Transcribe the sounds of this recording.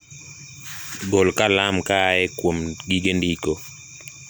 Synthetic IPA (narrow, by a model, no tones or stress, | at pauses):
ɡɔlkalamkaɛkwomɡiɡendikɔ